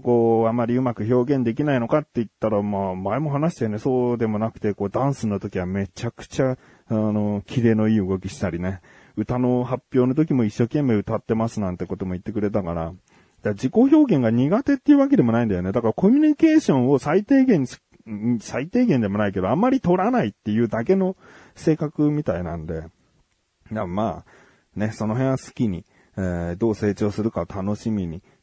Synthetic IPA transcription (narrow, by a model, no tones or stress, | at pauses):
ko̞ːamːaɾʲiɯ̟makɯ̟ço̞ːɡẽ̞nd̪e̞k̬ʲinaino̞kat̪ːe̞it̪ːaɾamaːmaemo̞ɦanaɕi̥t̪ene̞so̞ːd̪e̞mo̞nakt̪eko̞ːd̪ãɰ̃sɨnːot̪o̞kʲiβame̞t͡ɕakɯ̟̥t͡ɕa | ano̞kʲʰiɾe̞ːno̞iːɯɡo̞kʲiɕi̥t̪aɾʲine̞ | ɯ̟t̪ano̞hapʲːjo̞ːnot̪o̞kʲimo̞iɕːo̞ːkẽ̞mːe̞ːɯ̟t̪at̪ːe̞masɨnãnt̪e̞ko̞t̪o̞mo̞it̪ːe̞kɯ̟ɾe̞t̪akaɾa̰ | dad͡ʑiko̞ço̞ːɡẽ̞ŋɡaɲ̟iɡat̪e̞t̪ːeiɯ̟βak̬e̞d̪e̞mo̞naĩnd̪ajo̞ne̞d̪akaɾako̞mʲyɲ̟ike̞ːɕõ̞ɰ̃o̞sait̪e̞ːɡẽ̞ɲ̟̥ | isait̪e̞ːɡẽnd̪e̞mo̞naike̞d̪oamːaɾʲit̪o̞ɾanait̪ːe̞jɯ̟ːd̪ake̞no̞ | se̞ːkakɯ̟mʲit̪ainã̰nd̪e̞ | d̪amaː | ne̞so̞no̞ɦẽ̞ɰ̃βasɨ̥kʲiɲ̟i | ed̪o̞ːse̞ːt͡ɕo̞ːsɨɾɯ̟kat̪ano̞ɕimʲiɲ̟i